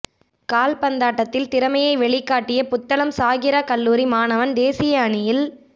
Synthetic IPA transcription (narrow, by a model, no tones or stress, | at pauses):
kaːlpɐnd̪aːʈːɐt̪ːɪlt̪ɪɾɐmɐjɐɪʋɛɭɪkːaːʈːɪjɐpʊt̪ːɐɭɐmsaːɣɪɾɐkɐlːuːɾimaːnɐʋɐnd̪eːsɪjɐːɳɪjɪl